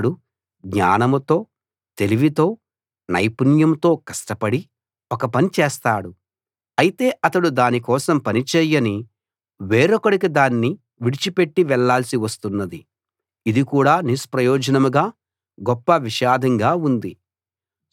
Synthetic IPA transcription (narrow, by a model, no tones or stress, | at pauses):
ɽu | ɡɲa̰ːnɐmɐt̪o̞ː | t̪e̞liʋit̪o̞ː | nɐjpunjɐmt̪o̞ːkɐʂʈɐpɐɽi | ɔkɐpɐnit͡ʃɛːst̪aːɽu | ɐjit̪e̞ːʔɐt̪ɐɽud̪aːnikɔːsɐmpɐnit͡ʃɛːjɐni | ʋeːɾɔkɐɽikid̪aːnːi | ʋiɽit͡ʃipe̞ʈːiʋɛɭːaːlɐsiʋɐst̪unːɐd̪i | id̪ikuːɽaːnispɾɐjɔːd͡ʒɐnɐmuɡaː | ɡɔpːɐʋiʃaːd̪ʱɐŋɡaːund̪i